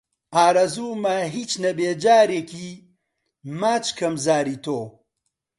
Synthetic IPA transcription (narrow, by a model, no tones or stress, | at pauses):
ʔaːɾɐzuːmɐɦiːt͡ʃnɐbeːd͡ʒaːɾeːkʰiː | maːt͡ʃkɐmzaːɾiːt̪oː